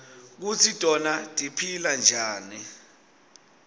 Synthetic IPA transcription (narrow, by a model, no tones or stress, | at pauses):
k̬ut͡sʰid̥ʱʼɔnatʼipʰiland͡ʒʱaːni